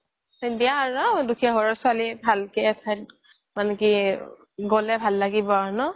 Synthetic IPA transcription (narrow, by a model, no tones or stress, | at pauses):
sɛntijaaɹunadukʰɛɦɔɹɔsʊalibʱalketʰajt̚ | maneki | ɡɔlɛbʱalːaɡibɔaɹunɔ